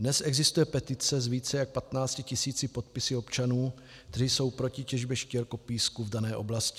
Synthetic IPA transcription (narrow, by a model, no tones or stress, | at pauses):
dnɛsʔɛɡzɪst̪ujɛpɛt̪ɪt͡sɛzviːt͡sɛjak̚pat̪naːt͡scɪcɪsiːt͡sɪpo̞t̪̚pɪsɪo̞pt͡ʃanuː | k̚t̪ɛɾiso̞wpɾo̞cɪcɛʒbjɛʃcɛlko̞piːskuvdanɛːʔo̞blascɪ̥